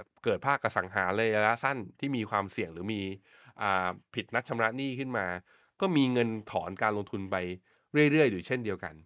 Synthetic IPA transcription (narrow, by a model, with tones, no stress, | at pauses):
kɤː˨˩t̪̚pʰaː˥˩k̚ːa˧sa˩˦ŋɦaː˩˦lɤː˧jaː˧la˦˥sa˥˩nt̪ʰiː˥˩miː˧kʰwaː˧msi˨˩əŋɾɯː˩˦miː˧ | ʔaː˨˩pʰi˨˩t̪̚na˦˥t̚t͡ɕʰa˧mɾa˦˥niː˥˩kʰɯ˥˩nmaː˧ | kɔː˥˩miː˧ŋɤ˧nt̪ʰɔ̰ː˩˦nkaː˧nlo˧ŋt̪ʰu˧npa˧j | ɾɯ˥˩əjɾɯ˥˩əjduː˨˩t͡ɕʰe˥˩ndi˧əwka̰˧n